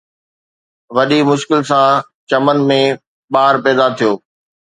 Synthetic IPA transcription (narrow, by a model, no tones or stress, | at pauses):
ʋɐɗimʊʃkɪls̬ã | t͡ɕɐmənɪ̆mẽ | ɓaːɾpɛːd̪at̪ʰijoː